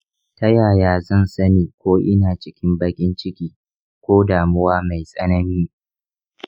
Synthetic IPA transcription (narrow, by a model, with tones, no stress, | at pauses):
tɐ˦jaː˨jaː˦zɐ˦˨nsɐ˦niː˨kʷoː˦ʔɪ˦naː˨t͡ʃɪ˦kʲɪ˦mbɐ˦kʲʼɪ˦nt͡ʃɪ˦kʲiː˦ | kʷoː˦daː˨mʊ˦waː˦ma˨jsʼɐ˦nɐ˦niː˦